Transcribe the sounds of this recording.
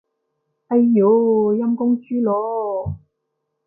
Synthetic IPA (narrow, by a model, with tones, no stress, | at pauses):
ʔɐ˧jːo˨˥jɐ˥mkʊ˥ŋt͡ʃyː˥lɔː˨˧